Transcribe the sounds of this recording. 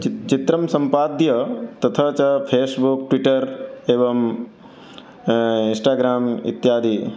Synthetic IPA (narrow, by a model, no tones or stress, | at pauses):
t͡ʃit̪ɾɐmsɐmpaːd̪jɐt̪ɐt̪ʰɐt͡ʃɐpʰeːsbukʈʋiʈɐɾeːʋɐm | insʈaːɡɾaːmḭt̪jaːd̪ʱi